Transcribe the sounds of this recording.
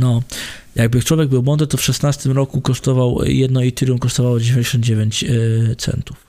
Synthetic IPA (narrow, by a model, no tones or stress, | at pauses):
nɔ | jaɡ̚bɘt͡ʂwɔvʲjɛɡ̚bɘwmɔnd̪ɾɘt̪ɔfʂɛsnast̪ɘmɾɔkukɔʂt̪ɔvaw̰jɛd̪nɔit̪ɘɾʲjumkɔʂt̪ɔvawɔd͡ʑevʲeɲd͡ʑeɕɔnd̪d͡ʑevʲjeɲt͡ɕt̪sɛ̰nt̪u̥f